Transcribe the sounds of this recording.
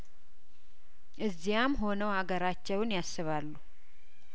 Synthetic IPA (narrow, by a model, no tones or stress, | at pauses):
ʔɨzːijamːɦo̞nəwhaɡəɾat͡ʃːɛwnjasːɨβalːu